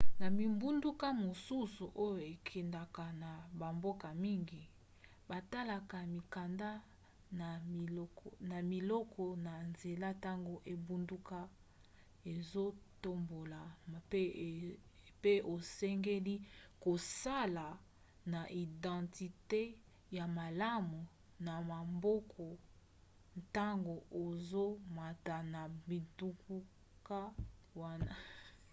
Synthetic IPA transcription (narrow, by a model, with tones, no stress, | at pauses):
na˨mi˨mbu˦ndu˦ka˦mo˨su˦su˨ʔo˦jo˨e˨kʰi˨nda˨ka˨na˨ba˨mbo˦ka˨mi˦ŋɡi˨ | ba˨ta˦la˨ka˨mi˨ka˨nda˦˨˦ | na˨mi˨lɔ˦kʰɔ˨na˨nze˨la˦ta˦ŋɡo˦ʔe˨bu˦ndu˦ka˦ | e˨zo˦to˦mbo˨la˨˦˨ | pe˦ʔo˨sɛ˦ŋɡe˦li˦ko˨sa˦la˨ | na˨ʔi˨dɑ̃˨ti˨te˦ | ja˨ma˨la˦mu˨ | na˨ma˨mbɔ˦kʰɔ˨ | ta˦ŋɡo˨ʔo˨zo˦ma˨ta˨na˨bi˨tu˦ku˦ | ka˦wa˦na˦